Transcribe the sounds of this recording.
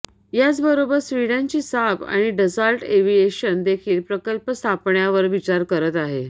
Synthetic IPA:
jat͡sbəɾobəɾsʋiɽãɲt͡ɕiːsaba̰ɽ̃iɖəd͡zəɾʈeʋijeɕənd̪ekʰiːlpɾəkəlpəst̪ʰapɳjaʋəɾʋit͡ɕaɾkəɾət̪aɦe

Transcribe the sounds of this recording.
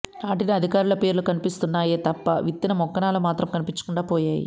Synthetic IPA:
naːʈiniɐd̪ʱikaːɾulɐpe̞ːɾulukɐnipist̪unːaːje̞ːt̪ɐpːɐ̰ʋit̪ːinɐmɔkːɐnaːlɐmaːt̪ɾɐmkɐnipiɲt͡ʃːu̥kuɳɖaːpɔːjaːjḭ

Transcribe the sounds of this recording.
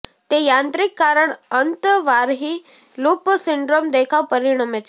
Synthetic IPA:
t̪ejãnt̪ɾikːaɾəɳənt̪əʋaɾɦiː | luːpəsiɳɖɾomd̪ekʰaʋpəɾiɽ̃amet͡ɕ

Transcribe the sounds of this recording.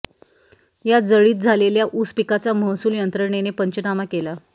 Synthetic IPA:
jad͡zəɭiːt̪̚d͡zʱaleljaʔuspikat͡saməɦsuːljənt̪ɾəɾɳenepəɲt͡ɕənamakela

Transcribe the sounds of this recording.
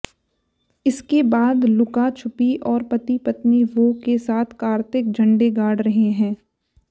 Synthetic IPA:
ɪskebaːd̪lʊkat͡ʃʰʊpiʔɔːɾpɐt̪ipɐt̪niʋoːkesaːt̪ʰkaːɾt̪ɪk̚d͡ʒʱɐ̃ɳɖeɡaːɽɾɐɦeɦɛ̃ː

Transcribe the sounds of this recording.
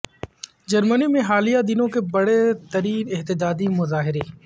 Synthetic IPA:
d͡ʒɐɾmənimẽɦaːlijad̪ɪnõkebɐɽet̪ɐɾiːnɪɦt̪ɪd͡ʒaːd̪imʊzaːɦɪɾeː

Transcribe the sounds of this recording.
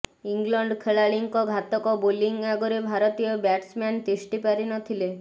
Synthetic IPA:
iŋɡlɔɳɖkʰeɭaɭiŋkɔɡʱat̪ɔkɔboliŋɡaɡɔɾebʱaɾɔt̪ijɔbaʈsmant̪isʈipaɾinɔt̪ʰile

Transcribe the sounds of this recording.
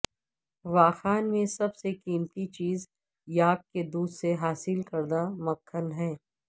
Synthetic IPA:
ʋaːxaːnmẽsɐbsekiːmt̪it͡ʃiːz | jaːkːed̪uːd̪seɦaːsɪlkɐɾd̪amɐkʰːənɦɛː

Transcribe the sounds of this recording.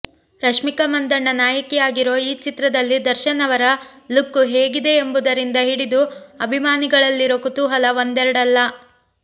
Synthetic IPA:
ɾɐʂmikɐmɐnd̪ɐɾɳɐnaːjɐkijaːɡiɾo̞ːiːt͡ʃit̪ɾɐd̪ɐlːid̪ɐɾʃɐnɐʋɐɾɐlukːuɦeːɡid̪e̞ːmbud̪ɐɾind̪ɐɦiɽid̪uɐbʱimaːniɡɐɭɐlːiɾokut̪uɦɐlɐʋond̪ɛɾɐɽɐlːɐ

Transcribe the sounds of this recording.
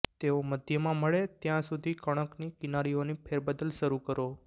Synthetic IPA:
t̪eoməd̪ʱjəmãməɭet̪jãsud̪ʱikəɽ̃əknikɪnaɾionipʰeɾbəd̪əlʃəɾukəɾo

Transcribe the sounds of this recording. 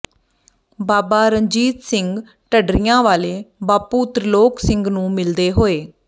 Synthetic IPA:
baːbaːɾəɲd͡ʒiːt̪sɪŋɡ | ʈəɖɾijãːʋaːleːbaːpuːt̪ɾəloːksɪ̃ŋɡnũːmɪld̪eːɦoːeː

